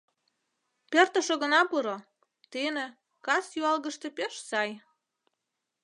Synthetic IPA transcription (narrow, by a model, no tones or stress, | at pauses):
pert̪ə̆ʃoɣə̆nɑpuɾo | t̪inĕ | kɑsjuɑlɣəʃt̪ĕpeʃsɑj